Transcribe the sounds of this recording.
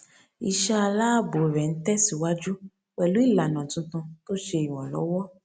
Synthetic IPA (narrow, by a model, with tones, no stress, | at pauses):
i˨ʃa˧a˧la˦bo˨ɾɛ˨n̩˦tɛ˦si˨wa˦d͡ʒu˦ | wɛ˨lu˨˦i˦˨la˨nã˨tũ˧˦tũ˧to˦ʃe˧i˨w̃ɔ̃˨lɔ̰˨˦wɔ˦